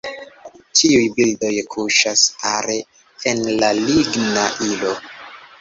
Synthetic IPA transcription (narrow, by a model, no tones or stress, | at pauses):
tʰiujbildo̞jkʰuʃasaɾe | enlaliɡnaʔilo̞